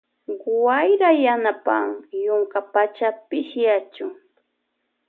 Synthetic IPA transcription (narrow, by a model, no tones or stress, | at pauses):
ɢwajɾajanapa̰ŋjʊŋkapat͡ʃapɪʃjat͡ʃʊŋ